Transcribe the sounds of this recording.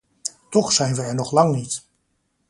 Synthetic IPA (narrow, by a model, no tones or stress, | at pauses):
tɔχsɛjnʋəɛɹnɔχlɑŋnit